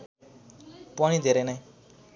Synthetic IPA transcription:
pʌɽ̃id̪ʱeɾenʌj

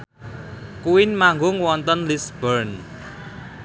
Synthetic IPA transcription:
kuwɪnmaŋɡʊŋwɔnt̪ɔnlisb̥ərn

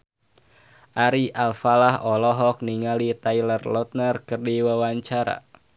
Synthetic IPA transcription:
ʔaɾiʔalfalahɔlɔɦɔk̚niŋalit̪ajlərlɔt̪̚nərkɨrdiwawaɲt͡ʃaɾa̰

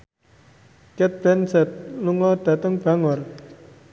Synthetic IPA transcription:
kɛt̪̚b̥ɛnsɛt̪̚luŋɔd̪̥a̤t̪əŋb̥a̤ŋɔr

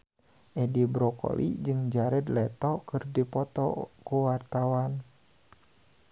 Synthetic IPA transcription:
ʔɛdibɾɔkɔ̰lʔḭd͡ʒɨŋd͡ʒaɾɛd̪lɛt̪ɔkɨrdipɔt̪ɔ̰kuwart̪awan

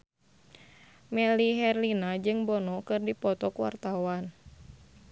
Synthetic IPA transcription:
mɛliɦɛrlinad͡ʒɨŋbɔnɔkɨrdipɔt̪ɔkuwa̰rt̪awan

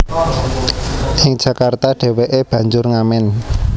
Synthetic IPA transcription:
ʔɪŋ̥ʒ̥ä̤kart̪aɖ̥e̤weʔeb̥ä̤ɲd͡ʒʊrŋamɛn

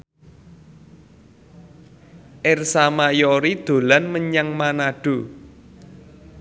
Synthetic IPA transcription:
ʔɪrsamajɔɾid̪̥o̤lanməɲaŋmanaɖ̥o̤

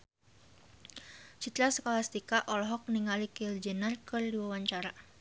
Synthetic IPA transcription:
t͡ʃit̪ɾasəkalast̪ikaʔɔlɔɦɔk̚niŋalikild͡ʒənərkərdiwawaɲt͡ʃaɾa

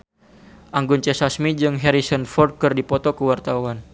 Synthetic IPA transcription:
ʔaŋɡunt͡ʃɛsasmid͡ʒɨŋɦɛɾisənfɔrd̪̚kɨrdipɔt̪ɔkəwart̪awan

